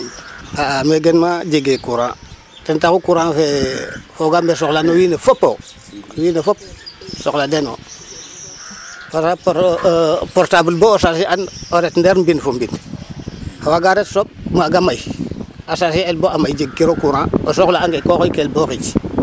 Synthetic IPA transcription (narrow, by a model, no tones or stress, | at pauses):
aameɡenmad͡ʒiɡekuɾã̰ː | tentakukuɾãːfefoɡambes̬oklanowiːnefopːo̰ | owiːnefop̚sokladeno̰ | paa | poɾtabəlboːsasianoɾetndeɾmbinfombin | hawaɡaɾetsop̚maɡamajasasielboamajd͡ʒiɡ̚ːiɾokuɾãːo̰soklaːŋɡekokojkelboxit͡ʃ